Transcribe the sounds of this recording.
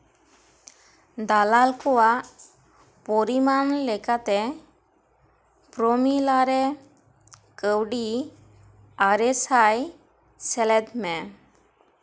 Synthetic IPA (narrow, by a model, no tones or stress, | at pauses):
d̪alalkɔwaʔ | pɔɾimanlɛkat̪ɛ | pɾomilaɾɛ | kəwɖi | aɾesaj | sɛlɛd̪mɛ